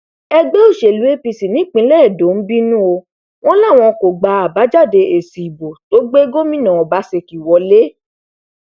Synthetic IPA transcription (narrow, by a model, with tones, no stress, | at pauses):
ɛ˧ɡ͡be˦o˦˨ʃe˨lu˨˦e˦pi˧si˨nĩ˨˦k͡pĩ˧˦lɛ˦˨do˨˦n̩˦bi˦nũ˦o˧ | w̃ɔ̃˦la˦˨w̃ɔ̃˧ko˨ɡ͡ba˧a˨ba˨˦d͡ʒa˦˨de˧e˨si˨i˨bo˨to˦ɡ͡be˦ɡo˦mĩ˦nã˨ɔ˨ba˨˦se˧ki˨wɔ˧le˦